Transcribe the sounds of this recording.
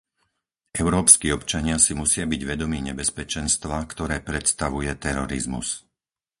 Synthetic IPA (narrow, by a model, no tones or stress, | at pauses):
ʔɛʊɾɔːpskiːɔpt͡ʃaɲɪasimusɪabiɟʋɛd̪ɔmiːɲɛbɛspɛt͡ʃɛnst̪ʋakt̪ɔɾɛːpɾɛt̪st̪aʋujɛt̪ɛɾɔɾḭzmṵs